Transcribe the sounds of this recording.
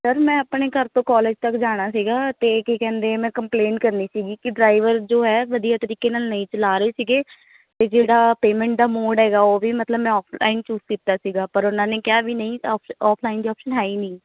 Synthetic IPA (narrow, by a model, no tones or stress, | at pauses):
səɾmɛ̃ːəpɳeːkəɾt̪õːkɔːleːd͡ʒt̪əkd͡ʒaːɽ̃aːsiːɡaːt̪eːkikɛ̃ːnd̪emɛ̃ːkəmpleːɳʈkəɾniːsiːɡiːkɪɖɾaːɪʋəɾd͡ʒoːɦɛːʋəd̪ijaːt̪əɾiːkeːnaːlnəĩːt͡ʃəlaːɾəeːsiːɡeː | t̪eːd͡ʒeːɽaːpeːmɛ̃ːɳʈ̚d̪aːmoːɖɦɛːɡaːoːʋiːmət̪ləbmɛ̃ːɔːpʰlʔa̰ːɪnt͡ʃuːzkiːt̪aːsiːɡaːpəɾʊnãːneːkɪjaːʋiːnəĩːɔːpɔːpʰlaːɪnd̪iːɔːpʃənɦɛːiːnĩː